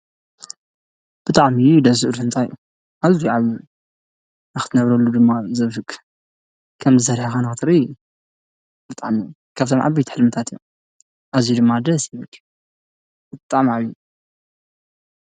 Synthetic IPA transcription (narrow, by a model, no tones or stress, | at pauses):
b̥ɨt̪ʼaʕmijud̪ɐsɨʔɾɨnt̪ʰajʔu | ʔazijʕaβju | nɨxɨt̪ʰɨnɐβɾɐlːud̪ɨmːazɐβfɨkʼ | kʰɐmzɨsɐɾħakanɨɨt̪ʰɨɾi | b̥ɨt̪ʼa̰ʕmij | kʰaβt̪ʰomʕa̰bijt̪i̥ħɨlmɨt̪ʰat̪ijːo̰ | ʔazjud̪ɨmːad̪ɐsjiβɨk | bɨt̪ʼaʕmiʕaβju